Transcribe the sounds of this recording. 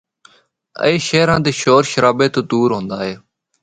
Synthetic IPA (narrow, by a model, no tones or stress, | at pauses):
ə̰eːʃeːɾãːd̪eːʃoːɾʃəɾaːbeːt̪oːd̪uːɾɦõːnd̪aːɦeː